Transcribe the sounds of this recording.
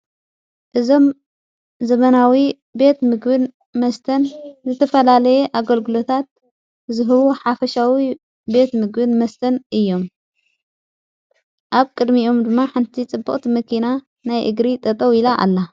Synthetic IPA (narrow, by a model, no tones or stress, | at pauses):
ʔɨzo̞m | zɐβɐnawi | be̞t̪mɨɡbɨn | mɐst̪ʰɐnzɨt̪ʰɐfɐlalɐjeʔaɡɐlɡɨlo̞t̪ʰat̪̚ | zɨɦɨβuħafɐʃawi | be̞t̪mɨɡbɨnmɐst̪ʰɐnʔɨjːo̞m | ʔaβkʼɨd̪mio̞md̪ɨmːaħɨnt̪ʰit͡sʼɨbːɨχʼt̪ʰimɐkʰina | najʔɨɡɾit̪ʼɐt̪ʼɐwilaʔa̰lːa